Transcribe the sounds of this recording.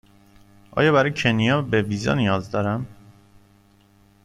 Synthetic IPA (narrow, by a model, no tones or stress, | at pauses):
ʔɒ̰ːjɒːbæɾɒjecʰenijɒːbeviːzɒ̰nijɒːzd̪ɒːɾæm